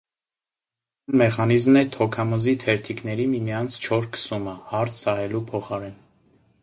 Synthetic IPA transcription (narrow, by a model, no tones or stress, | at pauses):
nmɛχɑnizmnɛt̪ʰɔkʰɑməzit̪ʰɛɾt̪ʰiknɛɾimimijɑnt͡sʰt͡ʃʰɔɾkə̥suməhɑɾt͡sʰsɑɦɛlupʰɔχɑɾɛn